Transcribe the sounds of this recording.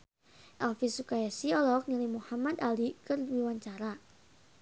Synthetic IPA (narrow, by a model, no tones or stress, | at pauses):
ʔalfisukajasiɔlɔk̚nilimuhamad̪alikərwiwaɲt͡ʃaɾa